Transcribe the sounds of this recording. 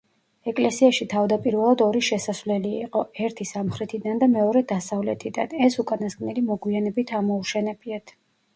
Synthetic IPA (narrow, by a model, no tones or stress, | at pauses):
ɛkʼlɛsiaʃit̪ʰavd̪apʼiɾvɛlˠad̪ɔɾiʃɛsasvlɛliːqʼɔɛɾt̪ʰisamχɾɛt̪ʰid̪and̪amɛɔɾɛd̪asavlɛt̪ʰid̪anɛsukʼanaskʼnɛlimɔɡwianɛbit̪ʰamɔuʃɛnɛbiat̪ʰ